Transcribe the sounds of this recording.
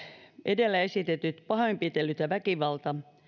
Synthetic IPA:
ʔedelːæesit̪et̪yt̪pɑhoimpit̪elːyt̪jæʋækiʋɑlt̪ɑ

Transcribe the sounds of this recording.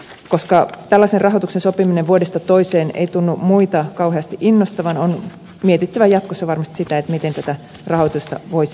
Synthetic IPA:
koskɑt̪ælːæserrɑɦot̪uksensopimineʋʋuodest̪ɑt̪oiseːnḛjt̪unːumuit̪ɑkɑuɦeɑst̪iʔinːost̪ɑʋɑnon | miet̪it̪ːæʋæjɑt̪̚kosːɑʋɑrmɑst̪i̥sit̪æet̪mit̪ent̪æt̪æ | rɑhot̪ust̪ɑ̰ʋois

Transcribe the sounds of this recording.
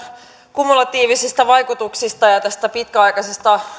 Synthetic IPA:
kumulɑt̪iːʋisist̪æʋɑjkut̪uksist̪ɑjɑt̪æst̪æpit̪kæɑjkɑsest̪ɑ

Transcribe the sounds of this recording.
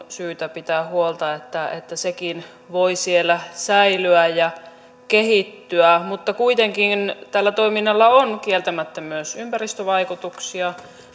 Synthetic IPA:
syːt̪æpit̪æːhuolt̪ɑet̪ːæḛt̪ːæsekin | ʋoisielːˑæsæilyæjjɑ | keɦit̪ːyæmut̪ːɑkuit̪eŋkint̪ælːæt̪oiminːɑlːɑonkielt̪æmæt̪ːæmyøsympærist̪øʋɑikut̪uksiɑ

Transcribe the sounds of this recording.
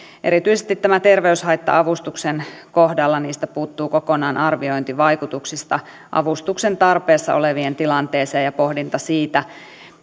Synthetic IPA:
ʔḛɾit̪yisest̪it̪ːæmæt̪erʋeyshɑit̪ːɑ̰ɑʋust̪uksenkohdɑlːɑniːst̪æpuːt̪ːuːkokonɑːnʔɑrʋioint̪iʋɑikut̪uksist̪ɑ | ʔɑ̰ʋust̪uksent̪ɑrpeːsːɑ̰ʔoleʋient̪ilɑnt̪eːseːjɑpohdint̪ɑsiːt̪æ

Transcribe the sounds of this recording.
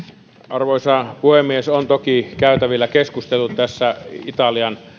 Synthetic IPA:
ʔɑrʋoisɑpuhemːiesont̪okikæyt̪æʋilːækeskust̪elːut̪t̪æsːæit̪ɑliɑn

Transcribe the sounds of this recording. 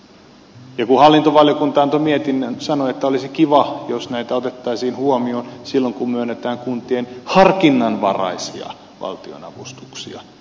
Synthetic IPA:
jɑkuhɑlːint̪oʋɑljokunt̪ɑɑnt̪omiet̪inːænsɑnoet̪ːæolisikiʋɑjosnæit̪æot̪et̪ːɑisiːnhuomionsilːoŋkummyønːet̪æːŋkunt̪ienhɑrkinːɑnʋɑ̰rɑ̰isiɑ̰ | ʋɑ̰lt̪io̰nɑ̰ʋust̪uksiɑ̰

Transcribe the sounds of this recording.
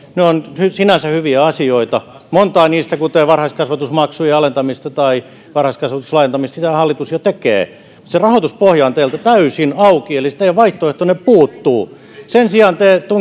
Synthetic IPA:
neonhysinæsæhyʋiæɑsioit̪ɑ | mont̪ɑːniːst̪ækut̪eːʋɑrhɑiskɑsʋɑt̪usmɑksujeɑlent̪ɑmist̪ɑt̪ɑi | ʋɑrhɑiskɑsʋɑt̪u̥slɑient̪ɑmist̪sit̪æhɑlːit̪usjot̪ekḛː | mut̪serɑhot̪uspohjɑːnt̪eilt̪æt̪æysinɑukielːist̪ejɑʋɑiht̪oeht̪oneppuːt̪ːuː | sensiɑnt̪eːt̪uŋ

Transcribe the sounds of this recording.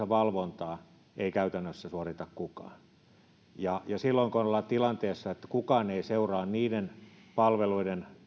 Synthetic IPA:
æʋɑlʋont̪ɑː | eikæyt̪ænːøsːæsuorit̪ɑkkukɑ̰ːn | jɑjɑsilːoiŋkonolːɑt̪ilɑnt̪eːsːɑet̪ːæ̥kukɑːneiseurɑːnniːdenpɑlʋeluiden

